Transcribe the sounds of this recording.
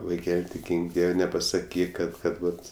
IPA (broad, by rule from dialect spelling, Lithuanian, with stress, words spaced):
ʋɐɪˈkʲɛlʲ tʲɪk ˈɡʲiːŋk ˈdʲiɛw nʲɛpɐsɐˈkʲiːk ˈkɐt ˈkɐt ˈʋɐt